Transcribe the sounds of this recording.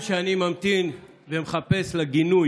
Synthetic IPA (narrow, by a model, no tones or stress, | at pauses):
ʃeanimamt̪in | vemeχape̞slaɡinu